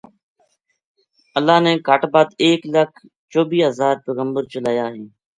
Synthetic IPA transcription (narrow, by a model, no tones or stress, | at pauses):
əlːaːneːkəʈbaːd̪eːkləkʰ | t͡ʃoːbiːɦəzaːɾpeːɣəmbəɾt͡ʃəlaːjaːɦeː